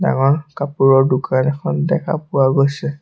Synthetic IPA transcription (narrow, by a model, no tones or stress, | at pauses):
da̰ŋɔɹkapuɹɔɹdukanɛkʰɔndɛkʰa̰pʊwaɡojsɛ